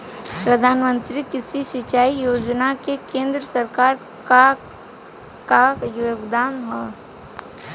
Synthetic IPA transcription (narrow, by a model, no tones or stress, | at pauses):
pɾəd̪ʱaːnmə̃nt̪ɾikɪsisɪt͡ʃaːijoːd͡ʒnakekẽːnd̪ɾəsəɾkaːɾ | ka | kajoɡd̪aːmɦɔ